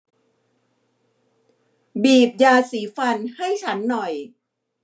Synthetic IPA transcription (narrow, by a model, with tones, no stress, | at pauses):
biː˨˩p̚jaː˧siː˩˦fa˧nha˥˩jt͡ɕʰa˦˥nːɔ˨˩j